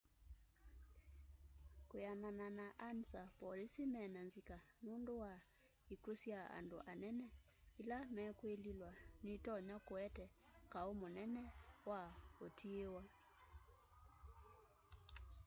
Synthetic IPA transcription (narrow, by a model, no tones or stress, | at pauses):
kojanananaʔansapɔlisimɛnanzikanundowa | ikusiaa̰ndoʔanɛnɛ | ilamɛkwelilwanitɔɲakwɛtɛ | kaomonɛnɛwaotʰiewa